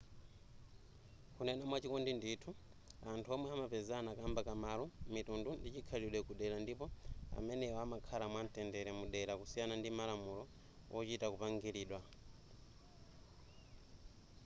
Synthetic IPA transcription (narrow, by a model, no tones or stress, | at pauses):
kunɛnamwat͡ʃikɔndinditʰu | antʰuɔmwɛamapɛzanakambakamalɔmitundundit͡ʃikʰaliɗwɛkuɗɛɾandipɔa̰mɛnɛwɔamakʰalamwantɛndɛɾɛmuɗɛɾakusijanandimalamulɔ | wʔɔt͡ʃitakupaŋɡiɾiːɗwa